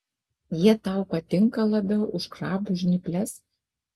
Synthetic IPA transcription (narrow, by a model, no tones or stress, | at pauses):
jiɛt̪ɐʊpɐt̪ʲɪŋkɐlˠɐbʲɛʊʊʃkɾɑːbʊʒʲnʲɪpʲlʲɛs